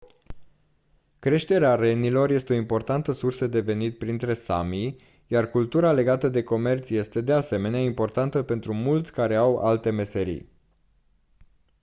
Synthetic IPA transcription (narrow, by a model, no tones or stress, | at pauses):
kɾe̞ʃt̪e̞ɾeaɾe̞nilo̞rje̞st̪eo̞impo̞rt̪ant̪əsursəd̪e̞ve̞nit̪̚pɾint̪ɾe̞sa̰mij | jarkult̪uɾale̞ɡat̪əd̪e̞ko̞me̞rt̪sje̞st̪e̞d̪e̞ase̞me̞neaimpo̞rt̪ant̪əpe̞nt̪ɾumult̪sʲkaɾe̞awa̰lt̪e̞me̞se̞ɾḭj